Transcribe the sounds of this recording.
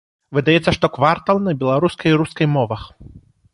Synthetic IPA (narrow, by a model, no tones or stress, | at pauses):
vɨd̪ajɛt̪sːɐʂt̪ɔkvart̪alˠnɐbʲɛlˠaɾuskɐjɾuskɐjmɔvɐx